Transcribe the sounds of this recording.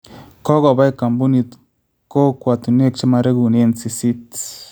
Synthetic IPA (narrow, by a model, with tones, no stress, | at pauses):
kɔ˦ɣo˨ba˦jka˨mbu˦ni˧t̪ | ko˦kʷa˨t̪u˨ne˦k̚t͡ʃa˦ma˧ɾe˦ɡu˨ne˦nsi˧si˦t̪